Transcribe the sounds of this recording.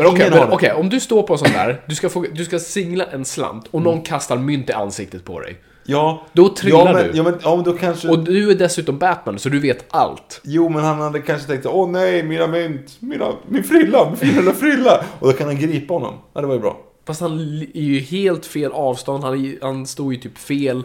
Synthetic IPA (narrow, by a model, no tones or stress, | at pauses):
mɛnɔkɛːɛmɛɔkʰɛjɔmd̪ɵst̪oːɾpʰɔɛsɔnt̪æ̰ːɾd̪ɵskafoːd̪ɵskasɪŋlaʔɛnsla̰mt̪ɔnɔnːkʰast̪aɾmʏnt̪ɪa̰nsɪk̚t̪ət̪̚pʰɔ̰d̪ɛ̰j | jɑːd̪ɔt̪ʰɾɪlːaɖɛɵ̰jɑːmɛnjɑːmɛnd̪ɔkʰanʂɛɔnʉ̟æɖɛsʉ̟ːt̪ɔmbæt̪mænsɔd̪ɵveːt̪a̰lt̪juːmɛnhanhad̪ːəkʰanʂət̪ʰɛ̃ŋkt̪saɔnɛjminamʏnt̪miːna̰mɪnfɾʏlːabfɪɪnafɾʏlːaɔd̪ɔkʰanhanɡɾiːpahɔnːɔ̰mad̪ɛvajəbɾɑ̰ː | fast̪hanæɾjɵheːlt̪feːlʔɑːvst̪ɔnd̪hanjhanst̪oːjɵt̪ʰyːpfeːl